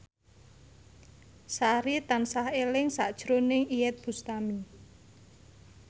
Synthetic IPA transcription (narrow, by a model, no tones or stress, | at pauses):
saɾit̪ansahelɪŋsaʔd̥ʒ̥ɾonɪŋijɛt̪̚b̥ust̪ami